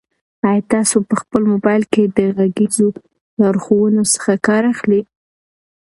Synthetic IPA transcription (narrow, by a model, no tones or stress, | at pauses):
ɑjɑt̪ɑsopəxpəlmobɑjlked̪əɣaɡizo | lɑɾxowənosə̥xakɑɾaxli